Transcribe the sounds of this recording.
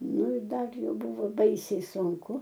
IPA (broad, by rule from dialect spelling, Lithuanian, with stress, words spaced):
ˈnʊ ɪr ˈdɐr ˈjɛʊ ˈbʊʋoː ˈbɐɪsʲɛɪ sʊŋˈkʊ